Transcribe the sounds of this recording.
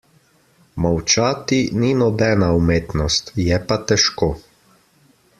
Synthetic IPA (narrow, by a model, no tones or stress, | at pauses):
mawt͡ʃaːt̪ininɔbɛːnaumeːt̪nɔst̪jɛpat̪ɛʃkoː